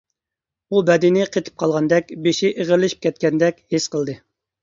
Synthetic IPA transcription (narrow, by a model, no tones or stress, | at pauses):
ubɛd̪ɪnɪqʰet̪ʰɨ̥p̚qʰɑlˠʁɑnd̪ɛkʲbeʃɪʔeʁəɾlɪʃi̥p̚kʲɛt̪̚kʲɛnd̪ɛkʲhesqəlˠd̪ɨ